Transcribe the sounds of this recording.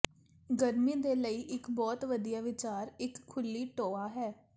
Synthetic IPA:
ɡəɾmiːd̪eːləiːʔɪkbɔːt̪ʋəd̪ijaːʋɪt͡ʃaːɾɪkʰːʊlːiːʈoːaːɦɛː

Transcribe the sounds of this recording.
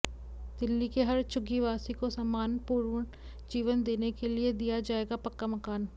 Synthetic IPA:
d̪ɪlːikeɦɐɾt͡ʃʊɡiʋaːsikosaːmaːnpuːɾʋəɳ | d͡ʒiːʋənd̪eːnekelied̪ijad͡ʒaːeːɡapɐkːamɐkaːn

